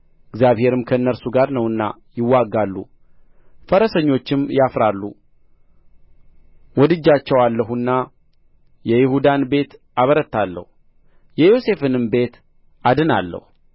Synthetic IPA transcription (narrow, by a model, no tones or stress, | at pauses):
ɨɡzjaβhe̞ɾɨmkʰəɨnːəɾsuɡaɾnəwɨnːa̰jɪwːaɡːalːṵ | fəɾəsəɲːo̞t͡ʃːɪmjafɾalːṵ | wɔd̪ɨd͡ʒːat͡ʃːɛwalːəɦunːa | jɛjɪhud̪anbe̞t̪ʔaβəɾət̪ːalːə̰hu | jɛjo̞se̞fɨnɨmbe̞t̪ | ad̪ɨna̰lːə̰hu